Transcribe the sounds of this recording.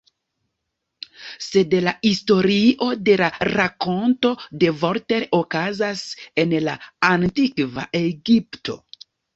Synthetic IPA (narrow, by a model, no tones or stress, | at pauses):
se̞dlaisto̞ɾiʔo̞de̞laɾako̞nto̞de̞vo̞ɾte̞ɾo̞kazase̞nlaantikva̰ʔe̞ɡiptʰo̞̰